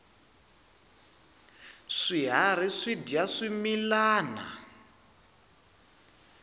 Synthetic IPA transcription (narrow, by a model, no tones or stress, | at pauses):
ʂiɦaɾiʂidijaʂimilaːna̰